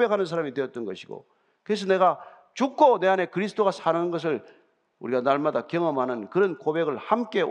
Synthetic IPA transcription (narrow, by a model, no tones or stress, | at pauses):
be̞kʰanɯns̬ʰaɾamidwe̞ʌt̚t͈ʌnɡʌɕʰiɡo̰ | kɯes̬ʰʌne̞ɡa | t͡ɕukʰone̞ane̞kɯɾisʰɯ̥t͈oɣasʰanɯnɯnɡʌs̬ʰɯɭ | uɾiɡanaɭmadakjʌŋʌmɦanɯnkɯɾʌnkobe̞ɡɯɭhamk͈e̞